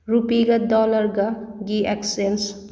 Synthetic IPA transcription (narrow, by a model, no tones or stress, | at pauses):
ɾupiɡɐdɔlɐɾɡaɡieksens